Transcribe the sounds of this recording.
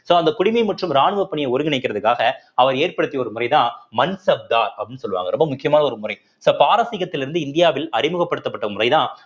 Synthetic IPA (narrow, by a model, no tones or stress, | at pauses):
soːɐnd̪ɐkʊɽɪmɐɪmɐʈrɯmɾaːɳɯʋɐpːɐɳɪjɐɪɔɾɯɡɪnɐɪkːɪɾɐðɯkːaːɣɐ | ɐʋɐɾeːrpɐɽɯt̪ːiɔɾɯmʊrɐɪt̪ãːmɐnsɐb̚d̪aːɾɐpɽɪnːɯsɔlɯʋa̰ːŋɡɐɾɔmbɐmʊkːɪjɐmaːnɐɔɾɯmʊrɐɪ | soːpaːɾɐsɪɣɐt̪ːɪlɪɾɯnd̪ɯɪnd̪ɪjaːʋɪlɐɾɪmɯɣɐpːɐɽɯt̪ːɐpːɐʈːɐmʊrɐɪt̪ãː